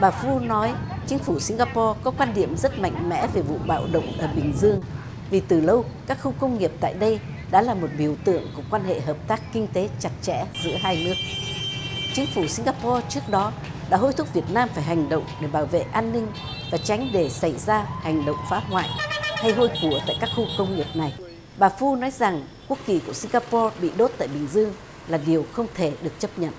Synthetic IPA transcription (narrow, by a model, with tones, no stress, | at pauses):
ɓaː˨˩fu˧nɔ˨˦jt͡ɕï˨˦ŋ̟fu˧˩si˧ŋ̟ɣaː˧pɔ˧kɔ˨˦kwaː˧nɗḭ˧˩əmzə˦˥t̚ma̰˧˨jŋ̟mɛ̰˧˥ve˨˩vṵ˧˨ɓa̰ː˧˨wɗə̰˧˨wŋ͡mʔəː˧˩ɓï˨˩ŋ̟zɨ˧əŋ | vi˨˩t̪ɨ˨˩lə˧wkaː˦˥k̚xu˧kə˧wŋ͡mŋi˨˩əp̚t̪a̰ː˧˨jɗə˧j | ɗa̰ː˧˥laː˨˩mo˨˩t̚ɓi˧˩əwt̪ɨ̰˧˨əŋku˧˩əkwaː˧nhḛ˧˨ɦəː˨˩p̚t̪aː˦˥kːï˧ŋ̟t̪e˨˦t͡ɕa˨˩t̚t͡ɕɛ̰˧˥zɨ̰˧˥əɦaː˧jnɨ˦˥ək̚ | t͡ɕï˨˦ŋ̟fu˧˩si˧ŋ̟ɣaː˧pɔ˧t͡ɕɨ˦˥ək̚ɗɔ˨˦ | ɗa̰ː˧˥ɦo˧jt̪ʰʊ˦˥k͡p̚vi˨˩ət̚naː˧mfaː˧˩jɦa˨˩jŋ̟ɗə̰˧˨wŋ͡mɗe˧˩ɓaː˧˩wvḛ˧˨ʔaː˧nːï˧ŋ̟ | vaː˨˩t͡ɕa˨˦jŋ̟ɗe˧˩sa˧˩jzaː˧ha˨˩jŋ̟ɗə̰˧˨wŋ͡mfaː˨˦ŋwa̰ː˧˨jha˧jɦo˧jku˧˩ət̪a̰ː˧˨jkaː˦˥k̚xu˧kə˧wŋ͡mɲi˨˩ət̚na˨˩j | ɓaː˨˩fu˧nɔ˨˦jza˨˩ŋ | ku˦˥ək̚ki˨˩ku˧˩əsï˧ŋɣaː˧pɔ˧ɓḭ˧˨ɗo˦˥t̚t̪a̰ː˧˨jɓï˨˩ŋ̟zɨ˧əŋ | laː˨˩ɗi˨˩əwxə˧wŋ͡mt̪ʰe˧˩ɗɨ˨˩ək̚t͡ɕə˦˥p̚ɲə̰˧˨nʔ